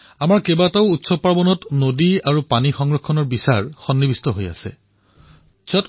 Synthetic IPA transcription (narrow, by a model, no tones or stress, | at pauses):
amaɹkɛbataʊutsɔpaɹbɔnɔtnodiaɹupanixɔŋɹɔkʰːɔnɔɹbisaɹxɔnːibistɔɦoja̰sɛ̰ | sʰɔt